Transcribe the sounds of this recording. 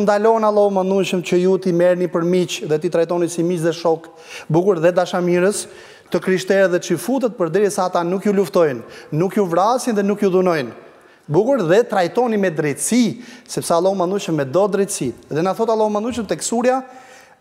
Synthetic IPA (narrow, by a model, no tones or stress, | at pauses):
nd̪alɔnalˠɔmand̪uʃəmt͡ɕəjut̪imɛɾnipəɾmit͡ʃðɛt̪it̪ɾajt̪ɔnisimit͡ʃðɛʃɔk | buɡuɾðɛd̪aʃamiɾəs | t̪əkɾiʃt̪ɛɾɛðɛt͡ʃəfut̪̬ɛt̪̚pəɾd̪ɛɾjəsaːt̪anukjuluft̪ɔjnːukjuvɾasjənðɛnukjuðunɔjn | buɡuɾðɛt̪ɾajt̪ɔnimɛd̪ɾɛt̪sisɛpsalˠɔmand̪uʃəmːɛd̪ɔd̪ɾɛjt̪siðɛnaθɔt̪alˠɔmand̪uʃ̬əmt̪ɛksuɾja